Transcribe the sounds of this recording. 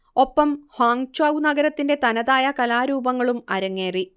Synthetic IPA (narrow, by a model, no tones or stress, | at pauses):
o̞pːɐmhaːŋt͡ɕaːwnɐɡɐɾɐt̪ːinde̞t̪ɐnɐðaːjɐkɐlaːɾuːbɐŋːɐɭumɐɾɐŋːe̞ːri